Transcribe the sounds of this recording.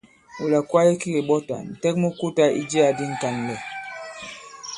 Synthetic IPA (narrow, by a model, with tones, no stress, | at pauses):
u˨la˨kwa˦je˦ki˦ɡe˨ɓɔ˦ta̰˨n̩˨tɛ˦k̚mo˦ku˦ta˦ʔi˦d͡ʒi˦a˨di˦ŋ̩˨ka˨nlɛ˨